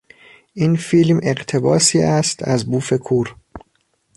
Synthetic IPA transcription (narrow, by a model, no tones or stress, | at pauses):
ʔiːnfiːlme̞ɢt̪ʰe̞bɒːsiːʔæst̪ʰæzbuːfe̞kʰuːɾ